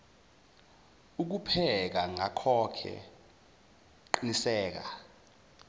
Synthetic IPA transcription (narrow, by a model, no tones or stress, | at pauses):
uk̬upʰɛk̬aŋakʰɔkʰɛ̰ | ǃinisɛːk̬a̰